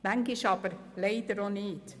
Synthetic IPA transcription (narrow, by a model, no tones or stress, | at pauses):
mæŋɡɪʃɑb̥əɾleɪd̪əɾonɪːt